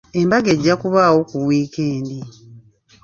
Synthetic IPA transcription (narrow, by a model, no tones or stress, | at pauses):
e̞mbaɡeɟːakuβaːwo̞kuwwiːkeːndi